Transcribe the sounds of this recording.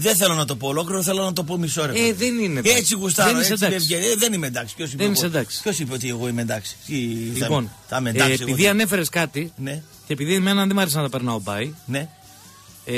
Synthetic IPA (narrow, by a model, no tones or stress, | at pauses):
ðenθelonɐt̪o̞po̞ːlokliɾoθelonɐt̪o̞p̬o̞miso̞ɾeeðenineet͡siɣus̬t̪ɐðenised̪ɐesʝeðenimend̪ɐksi̥pços̬ipðennisend̪ɐksi̥pço̞sipeot̪ieɣo̞imend̪ɐksi̥t̪ilipo̞ntɐmenɐspiðiɐne̞fe̞ɾe̞skɐt̪ine | ce̞ːpiðiemenɐnðemɐɾes̬inɐt̪ɐpeɾnɐo̞bɐine